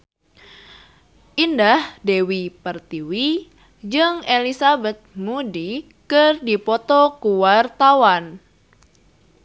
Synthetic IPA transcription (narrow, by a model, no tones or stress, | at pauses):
ʔindahdewipərt̪iwi | d͡ʒɨŋelisabɛt̪̚mudi | kɨrdipɔt̪ɔkuwart̪awan